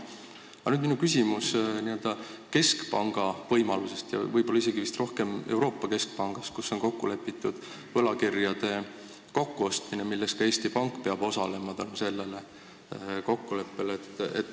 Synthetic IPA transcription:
ɑnyːd̪minukysʲimusniø̞ld̪̥ɑke̞skpɑŋɡ̥ɑvɤjmɑluse̞st̪jɑ̰vɤjb̥o̞lːɑise̞ɡ̥ivist̪ro̞hke̞me̞̰wɾo̞ːpːɑke̞sk̚pɑŋɡ̥ɑst̪̚kusːo̞nko̞kːule̞pːˑit̪ːˑud̪̥ | vɤlɑkirjɑd̪̥e̞ | ko̞kːuo̞st̪minemilːe̞skɑe̞ːst̪ipɑŋkˑːpe̞ɑb̥o̞sɑle̞mɑt̪ɑluse̞lːe̞le̞ | ko̞kːule̞pːe̞leet̪ːˑḛt̪ːˑ

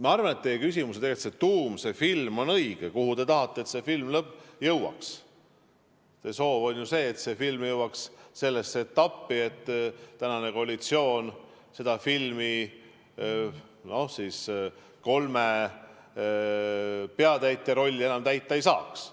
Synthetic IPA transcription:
meɑrvɑne̞t̪ːejekys̬ʲimus̬eeet̪set̪ːuːmse̞filmo̞nɤiɡ̥ekuhut̪e̞t̪ɑɦɑt̪ːeːt̪se̞filmlɤbːˑjɤwɑ̰ks | seso̞ːvo̞nʲjuse̞ːt̪se̞filmjɤwɑksse̞lːeset̪ːɑpːiet̪ːˑt̪ænɑne̞ko̞ɑlit̪sio̞ːn | se̞d̪̥ɑfilmi | no̞hsiːs | ko̞lme | peɑt̪æjt̪ˑːeɾo̞lʲːie̞nɑmt̪æjt̪ˑːɑejsɑːks

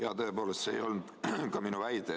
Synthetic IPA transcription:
jɑt̪ɤepo̞ːlest̪sḛjo̞lnud̪̥kɑminuvæjd̪e

